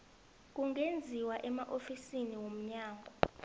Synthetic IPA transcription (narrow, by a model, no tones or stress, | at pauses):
k̬uŋʱend͡zʱiwaʔɛmaʔofisiniwom̩ɲaːŋɡʱɔ